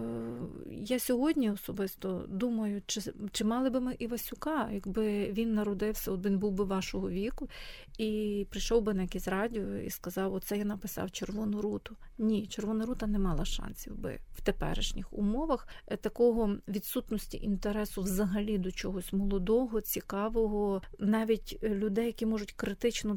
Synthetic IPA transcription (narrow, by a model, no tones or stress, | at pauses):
jasʲɔɦɔdʲnʲiɔsɔbɪst̪ɔd̪umɐjʊt͡ʃɪt͡ʃɪmɑlˠɪbɪmɪʔiʋɐsʲʊkɑjɐɡbɪʋʲinːɐɾɔd̪ɪwsʲɐɔt̪ʋʲinbuwbɪʋɑʃɔɦɔʋʲikʊ | ipɾɪjʃɔwbɪnɐjɐkʲɛsʲɾɑdʲiɔḭskɐzɑwɔt̪sɛjanɐpɪsɑ̰wt͡ʃerʋɔnʊɾut̪ʊnʲit͡ʃerʋɔnɐɾut̪ɐnɛmɑlˠɐʃɑ̰nsʲiwbɪ̰w̥t̪epɛ̰ɾɪ̰ʃnʲixʊ̰mɔʋɐxt̪ɐkɔɦɔʋʲid̪sut̪nɔsʲtʲḭʔint̪eɾɛsʊwzɐɦɐlʲid̪ɔt͡ʃɔɦɔsʲmɔlˠɔd̪ɔɦɔt͡sʲikɑʋɔɦɔnɑʋʲitʲlʲʊd̪ɛjːɐkʲimɔʒʊtʲkɾɪt̪ɪt͡ʃnɔ